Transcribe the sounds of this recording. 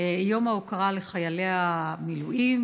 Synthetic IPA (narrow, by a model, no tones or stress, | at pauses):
jo̞maukaʁaleχajale̞amiluʔim